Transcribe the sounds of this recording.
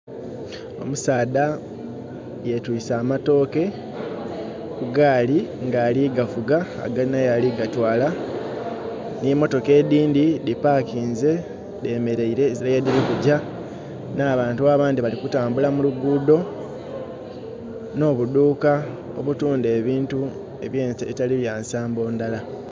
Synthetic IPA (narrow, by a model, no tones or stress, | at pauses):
o̞̰musaːda | jetwiːsaːmato̞ːke̞ | kuɡaːliŋɡaːliɡafuɡa̰ːɡainajaliɡatwaːla | nimo̞to̞ke̞ːd̪iːndidipaːkiːnze̞ | deːme̞ɾe̞iɾe̞ziajediɾikuɟa | naːβaːntuaːβaːndiβalikutaːmbulamuluɡuːdo̞ | no̞ːβuduːka | o̞̰βutuːnde̞ːβiːntu | eβjeβitaliβjaːnsaːmbo̞ːndala